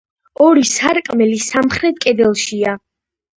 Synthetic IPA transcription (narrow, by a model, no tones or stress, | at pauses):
ɔɾisaɾkʼmɛlisamχɾɛt̪̚ʰkʼɛd̪ɛlˠʃia